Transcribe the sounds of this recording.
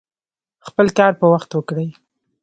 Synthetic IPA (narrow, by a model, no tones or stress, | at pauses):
xpəlkɑɾpəwaxt̪wəkɽəj